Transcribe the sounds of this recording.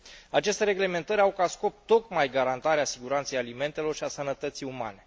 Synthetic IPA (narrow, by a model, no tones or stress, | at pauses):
at͡ʃe̞st̪eɾe̞ɡle̞me̞nt̪əɾʲawkasko̞p̚t̪ːo̞kmajɡaɾant̪aɾeasiɡuɾant̪sejalime̞nt̪e̞lo̞rʃiasənət̪ət̪sijuma̰ne̞